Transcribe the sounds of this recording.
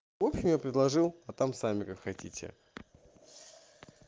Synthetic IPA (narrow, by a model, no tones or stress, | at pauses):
vo̞pɕɪmjapɾʲɪd̪lˠɐʐɨlˠɐt̪amsamʲɪkakxɐtʲitʲɪ̰